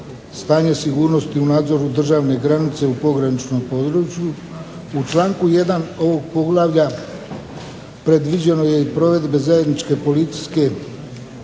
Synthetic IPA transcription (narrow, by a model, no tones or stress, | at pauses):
st̪aːɲe̞siɡuːɾno̞st̪iunaːd̪zo̞ɾud̪r̩ʒaːʋne̞ɡɾanit̪se̞upo̞ɡɾanit͡ʃnompo̞d̪ɾuːt͡ʃju | ut͡ʃlˠaːŋkuje̞d̪ano̞ʋo̞ɡ̚po̞ɡlˠaʋʎa | pɾe̞d̪ʋid͡ʑe̞no̞je̞ipɾo̞ʋe̞d̪be̞zaje̞d̪nit͡ʃke̞po̞lit̪si̥ske̞